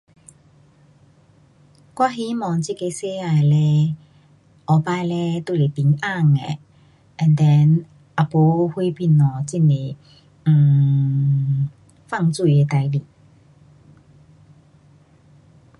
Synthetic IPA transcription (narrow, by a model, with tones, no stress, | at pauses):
kwa˦˥ɦi˧˦mɔː˨ŋt͡si˦˥˩ke˨˦sɛ˦˥a˨˩jlɛ˦˧ | ɔ˨˧paː˧jlɛ˦˧t̪o˥˧le˨˩t̪i˨˦ŋa˥˩˨ŋɛ̰˨˩ | ʔɛ˨nd̪ɛ˧n | ʔa˨˩po˧˦hu˥jpi˧˩nɔ˨˩t͡si˥nle˨˩˨ | fa˥˧˨ŋt͡su˥˧˩jɛ˧˩t̪a˨˧˦jli˨˩